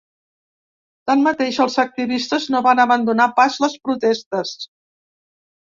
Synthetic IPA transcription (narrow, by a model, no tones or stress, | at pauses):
t̪anmət̪eʃəlˠzək̚t̪iβist̪əznoβanəβənd̪unapazləspɾut̪ɛst̪əs